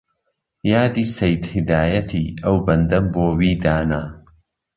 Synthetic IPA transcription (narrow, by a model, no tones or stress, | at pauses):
jaːd̪iːsejt̪hɪd̪aːjɐt̪ʰiːɐwbɐnd̪ɐmboːwiːd̪aːna